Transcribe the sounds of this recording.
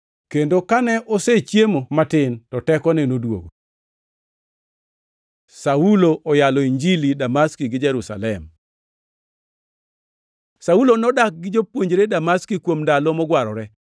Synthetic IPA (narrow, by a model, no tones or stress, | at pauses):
kendokanɛʔoset͡ʃjemomatɪntɔtɛkɔnɛnodwo̰ɡo | sauloʔɔjalɔiɲd͡ʒilidamaskiɡɪd͡ʒɛɾusa̰lɛm | saulonɔdak̚ɡɪd͡ʒopwoɲd͡ʒeɾedamaskikwomndalɔmɔɡwaɾɔɾɛ